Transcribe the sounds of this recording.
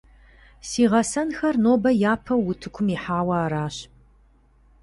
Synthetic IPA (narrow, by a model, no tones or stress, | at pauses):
siːʁɐsɐnxɐrnoːbɐjaːpʰɐwʊtʰɨkʷʰʊmiħaːwɐaːɾaːɕ